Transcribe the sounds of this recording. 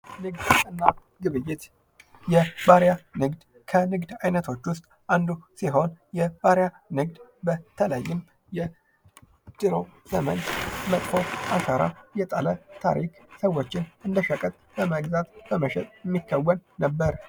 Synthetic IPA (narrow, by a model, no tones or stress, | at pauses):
nɨɡd̪ɨnːa | ɡɨβɨjːɪt̪ | jɛbaɾjanɨɡd̪ | kʰənɨɡd̪ajnət̪ʰo̞t͡ʃːwʊst̪ʼʔand̪usiɦo̞njɛbaɾja | nɨɡd̪bət̪ʰələjːɪm | jɛ | d̪̥ɨɾo̞z̥əmə̰ɲmət̪ʼfʰo̞ʔasəɾa̰jɛt̪ʼələt̪ʰa̰ɾḭksəwːo̞t͡ʃːɪnɨnd̪əʃəkʼət̪ʼbəməɡzat̪b̥əməʃɛt̪ʼjɛmːikʰːəwːənːəbːəɾ